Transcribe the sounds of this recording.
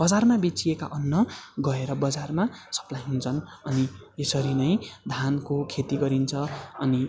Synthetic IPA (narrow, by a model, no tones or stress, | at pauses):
b̥ʌd͡zarmabet͡sieka̰ʔʌnːʌɡʌeɾʌbʌd͡zarmasʌ̥plajɦunt͡sʰʌnʌniesʌɾinʌj̃d̪ʱankokʰet̪iɡʌɾint͡sʰʌʌni